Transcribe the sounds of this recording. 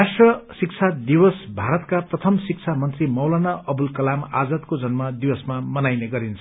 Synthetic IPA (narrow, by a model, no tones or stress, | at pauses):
asʈrʌsik̚t͡sʰad̪iwʌsbʱaɾʌt̪kaprʌt̪ʰʌmsik̚t͡sʰamʌnt̪rimʌwlanaʌbulkʌlama̰d͡zʌt̪̚kod͡zʌnmad̪iwʌsmamʌnajneɡʌɾint͡sʰʌ̥